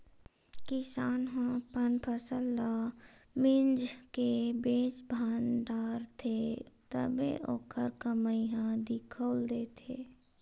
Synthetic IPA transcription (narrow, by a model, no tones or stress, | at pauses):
kɪsaːnɦãpənpʰəsəlːa | mɪd͡ʒkebeːt͡ʃbʱaːnɖ̪aːɾt̪ʰet̪ə̰bḛʔo̰ːkʰəɾkəməiɦãd̪ɪkʰoːld̪eːt̪ʰeː